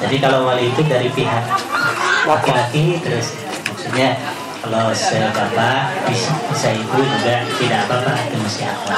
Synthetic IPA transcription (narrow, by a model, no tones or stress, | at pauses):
d͡ʒadikalowaliːt̪udaɾipiɦak̚ | lakilakit̪əɾʊs | mak̚t̪uɲa | kalosəbapabisabisait̪ud͡ʒuɡat̪idaparp̪anat̪imasiɦa̰ka